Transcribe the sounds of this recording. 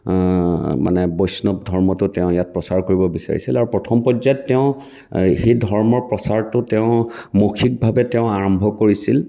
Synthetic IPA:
ma̰nɛbɔjsnɔp̚dʱɔɹmɔtʊtɛʊ̃jat̚pɹɔsaɹkoɹibɔbisa̰ɹḭsilaɹupɹɔtʰɔmpɔzajtːɛʊ̃ | xejdʱɔɹmɔɹpɹɔsaɹtʊtɛʊ̃mokʰik̚bʱabɛtɛʊ̃aɹɔmbʱɔkoɹisil

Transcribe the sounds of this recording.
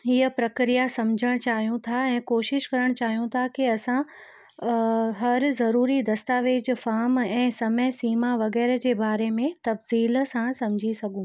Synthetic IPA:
ɦiəpɾɐkɾijasɐmd͡ʑʱəɽ̃t͡ɕaːɦijũt̪ʰaɛ̃ːkoːʃɪʃkɐɾəɽ̃t͡ɕaːɦijũt̪ʰakiɐsã | ɦɐɾzɐɾuːɾid̪ɐst̪aːʋeːd͡ʑfaːɾmɛ̃ːsɐməsiːmaʋɐɣɛːɾəd͡ʑeːbaːɾemẽt̪ɐbziːlsãsɐ̃md͡ʑʱisɐɡʱũ

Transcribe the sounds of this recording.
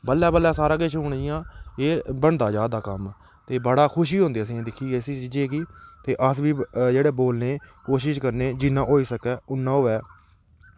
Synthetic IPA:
bəlːɛːbəlːɛːsaːɾãːkeʃɦʊɳɪjãːeːbəɳd̪aːd͡ʒaːd̪aːkəm | t̪eːbəɽaːkʰʊʃ̬iːɦõːnd̪eːs̬ĩãːd̪ɪkʰːiːeːsiːt͡ʃiːd͡ʒeːkiːt̪eːʔəsʋiːd͡ʒeːɽeːboːlneːkoːʃɪʃkəɾneːd͡ʒɪnːãːɦoːiːsəkɛːʊnːãːoːɛː

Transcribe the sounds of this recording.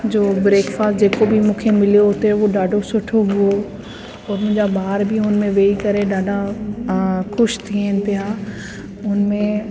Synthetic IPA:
d͡ʑoːbɾeːkfaːsd͡ʑeːkobʱimũːkʰemɪlijoɦot̪eʋoɗaːɖʱosʊʈʰoɦʊo | ɔːɾmʊ̃ɦɪ̃ɲd͡ʑabaːɾbʱiʊnmẽʋeːikɐɾeɗaːɖʱa | xʊʃt̪ʰiɦənɪpɪjaː | ʊnmẽ

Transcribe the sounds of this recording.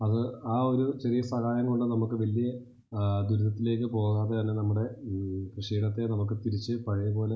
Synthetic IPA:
ɐðɨaːo̞ɾut͡ɕe̞rijɐsɐɣaːjɐŋːouɳɖɨnɐmukːɨʋɐlijɐ | d̪uɾuðɐt̪ːile̞ːk̬ːɨpo̞ːɣaːðet̪ɐnːe̞nɐmːuɽe̞krɨʂiːɽɐt̪ːe̞nɐmuk̬ːɨt̪iɾit͡ɕːɨpɐɻɐjɐpo̞ːle̞

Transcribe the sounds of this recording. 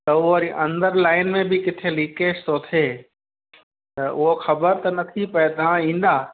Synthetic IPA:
t̪ɐoɐɾiʔɐ̃nd̪əɾlaːɪnmẽbʱikɪt̪ʰeliːkeːʃt̪ot̪ʰeː | t̪ɐʔʊɦoxɐbəɾt̪ɐnɐt̪ʰipɐet̪ɐãĩːnd̪aː

